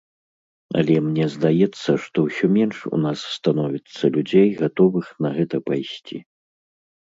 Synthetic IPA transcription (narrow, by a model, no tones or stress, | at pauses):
ɐ̰lʲɛmnʲɛzd̪ajɛt̪sːɐʂt̪ɔwsʲɔmʲɛnʂṵnasːt̪anɔvʲit̪sːɐlʲud͡zʲejɣat̪ɔvɨxnɐɣɛt̪ɐpajsʲt͡sʲi